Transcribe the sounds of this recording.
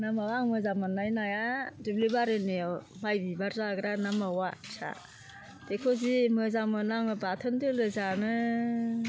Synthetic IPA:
namawaŋmɯzamanːajnajadiblibaɾɯnemajbibaɾzaɡɾanamawat͡ʃʰa̰ | d̥ekʰozimɯzamɯnaŋɯbatʰɯndɯlɯzanɯ

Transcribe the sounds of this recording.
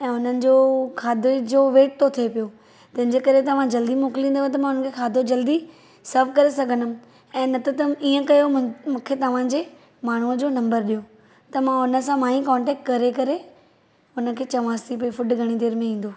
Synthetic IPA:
ɛ̃ːʊn̤ənɪ̆d͡ʑokʰaːd̪ʱod͡ʑoːʋeːʈ̚t̪ʰot̪ʰiepijo | t̪ɐ̃ɦɪ̃ɲd͡ʑekɐɾet̪ɐʋ̤ãd͡ʑɐld̪imoːkɪlĩːnd̪t̪ɐmãʊn̤ənkʰekʰaːd̪ʱod͡ʑɐld̪i | sɐɾfkɐɾesɐɡʱənʊm̆ | ɛ̃ːnɐt̪ʰət̪ɐiːə̃kɐjomũːkʰet̪ɐʋ̤ãd͡ʑeː | maːɳ̤uəd͡ʑoːnɐ̃mbəɾɗijo | t̪ɐmãʊnə̆sãmãːĩkɔ̃ːɳʈɛːk̚ʈkɐɾekɐɾe | ʊnə̆kʰeːt͡ɕɐʋ̤ãːst̪ʰip̬ɐifʊɖɡʱɐɽ̃id̪eːɾmẽĩːn̆d̪oː

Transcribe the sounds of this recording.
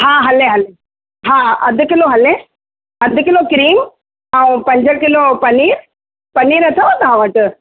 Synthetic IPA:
ɦãːɦɐleɦɐle | ɦãːɐd̪ʱkɪloɦɐle | ɐd̪ʱkɪloːkɾiːm | ɐʋũpɐɲd͡ʒɐɾkɪloːpɐniːɾ | pɐniːɾɐt̪ʰɐʋɐd̪ɦãʋɐ̃ʈɨ

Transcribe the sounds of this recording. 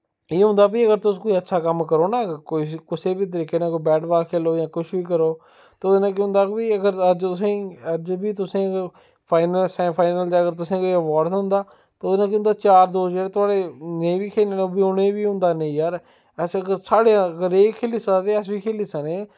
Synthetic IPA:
eːɦʊ̃ːnd̪aːp̬iːəɡəɾt̪ʊskoːiətːʃʰaːkəmkəɾoːnaːkoːikʊseːbiːt̪̬əɾiːkeːnãːkoibɛːʈʋaːkʰeːloːjãːkʊʃʰʋiːk̬əɾoː | t̪eoːd̪nãːkːʊ̃ːnd̪aːpiːəɡəɾəd͡ʒt̪ʊsẽːəd͡ʒbiːt̪ʊsẽː | pʰaːɪnəlsɛ̃ːpʰaːɪnəld͡ʒaːəɡəɾt̪̬ʊsẽːkoiəʋaːɾd̪ɦʊ̃nd̪aː | t̪eoːd̪enãːk̬ɪʊ̃nd̪aːt͡ʃaːɾd̪oːsd͡ʒeːɽeːt̪ʊaːɽeːnẽĩːbiːkʰeːleːbiːʊnẽbiːɦʊ̃nd̪aːnẽĩːjaːɾ | ɛsɡəsaːɽeãəɡəɾeːkʰeːliːst̪eːɛs̬biːkʰeːliːsaneː

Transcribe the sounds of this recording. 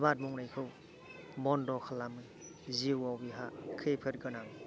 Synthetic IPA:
bat̚muŋɾajkʰɯw | bɔndɔkʰalːamɯ | ziwawbiɦakʰepʰɯt̚ɡɯnaŋ

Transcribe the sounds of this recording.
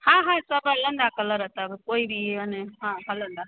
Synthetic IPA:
hãɦãsəbalənd̪akələɾət̪əbkoibiəneɦãɦalənd̪a

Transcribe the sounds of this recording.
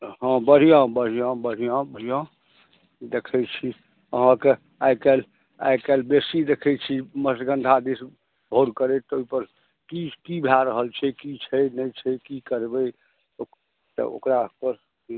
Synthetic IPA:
ɦɔ̃bəɽ̤ijãbəɽ̤ijãbəɽ̤ijãbəɾ̤ijã | d̪ekʰɛt͡ʃʰi | ə̰ɦãke | ajkɛl | a̰jkɛlbesid̪ekʰɛt͡ʃʰiməsɡə̃nd̪ʱad̪is | bʱoɾkəɾet̪oipəɾ | kikibʱeaɾəɦəlt͡ʃʰɛkit͡ʃʰɛnɛjt͡ʃʰɛkikəɾbɛ | o | t̪ə̰o̰kɾapəɾ

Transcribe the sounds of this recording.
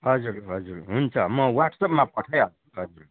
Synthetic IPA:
ɦʌd͡zuɾɦʌd͡zuɾɦunt͡sʰʌmʌwaʈsʌpmãpʌʈʰʌjɦʌuɦʌd͡zuɾ

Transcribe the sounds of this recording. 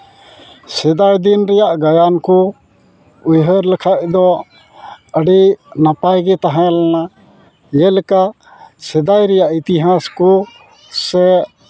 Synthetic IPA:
sɛd̪ajd̪inɾɛjaʔɡajankɔ | ujɦəɾlɛkʰaʔ̚d̪ɔ | əɖinapajɡɛt̪aɦãlana | jɛlɛka | sɛd̪ajɾɛjaʔit̪iɦaskɔ | sɛ

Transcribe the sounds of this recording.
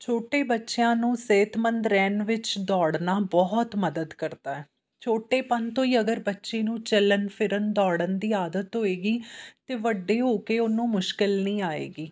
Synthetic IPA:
t͡ʃʰoːʈeːbətːʃejãːnũːseːt̪mənd̪ɾɛːnʋɪt͡ʃd̪ɔːɽnaːbɔːt̪məd̪əd̪kəɾd̪aːɛː | t͡ʃʰoːʈeːpənt̪õːiːəɡəɾbətːʃeːnũːt͡ʃələnpʰɪɾənd̪ɔːɽənd̪iːaːd̪ət̪ɦoːeːɡiːt̪eːʋəɖːeːɦoːkeːʊnːũːmʊʃkɪlnĩːaːḛːɡiː

